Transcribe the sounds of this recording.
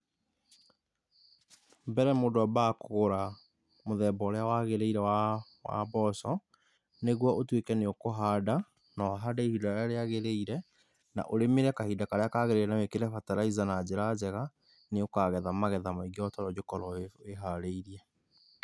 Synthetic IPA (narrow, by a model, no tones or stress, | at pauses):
bɛɾɛmodoabakooɾa | moðɛːbɔɾeawaɣeɾeiɾɛwa | wa̰bɔsɔ | neɣwɔʔotwekɛneokoɦada | nɔɦadaihidaaɾeaɣeɾeiɾɛ | na̰ʔoɾemeɾɛkahidakaɾeakaɣeɾeɾɛnawekeɾɛfataɾaizanad͡ʑeɾad͡ʑɛɣa | neokaɣɛðamaɣɛðamaiɡeɔtɔɾɔd͡ʑokɔɾɔeɦaɾeiɾiɛ